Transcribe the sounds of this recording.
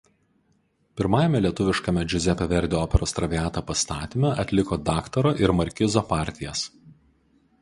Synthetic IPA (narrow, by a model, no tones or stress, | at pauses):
pʲɪɾmɑːjɛmʲɛlʲiɛt̪ʊʋʲɪʃkɐmʲɛd͡ʒʲʊzʲɛpɐʋʲɛɾʲd̪ʲeɔːpʲɛɾoːst̪ɾɐʋʲiæːt̪ɐpɐst̪ɑːt̪ʲɪmʲɛʔɐt̪ʲlʲɪkoːd̪ɑːkt̪ɐɾoʔɪɾmɐɾʲkʲɪzoːpɑːˑɾʲt̪ʲɪjɛs